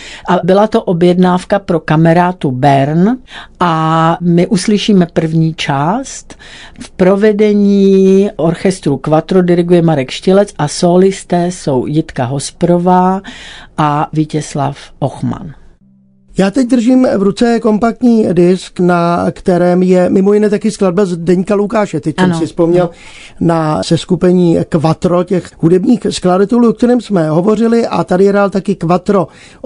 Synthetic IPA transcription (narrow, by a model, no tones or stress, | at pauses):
ʔabɪlat̪oʔobjɛdnaːfkapɾokamɛɾaːt̪ubɛɾnʔamɪʔuslɪʃiːmɛpr̩vɲiːt͡ʃaːst̪ | fpɾo̞vɛdɛɲiːʔoɾxɛst̪ɾukvat̪ɾodɪɾɪɡujɛmaɾɛkʃcɪlɛt͡sʔasoːlɪst̪ɛːso̞wjɪt̪kaɦo̞spɾovaːʔavicɛsla̰fʔoxma̰n | jaːt̪ɛc̚d̪r̩ʒiːmvɾut͡sɛko̞mpak̚t̪ɲiːdɪsknakt̪ɛɾɛːmjɛmɪmo̞jɪnɛːt̪akɪsklad̚bɛlzdɛɲkalukaːʃɛt̪ɛc̚t͡ʃmnsɪfspo̞mɲɛl | nasɛskupɛɲiːkvat̪ɾo̞cɛxɦudɛbɲiːxskladat̪ɛluːʔok̚t̪ɛɾɛːmsmɛɦo̞vo̞r̝ɪlɪʔat̪adɪjɛɾaːlt̪akɪkvat̪ɾo̞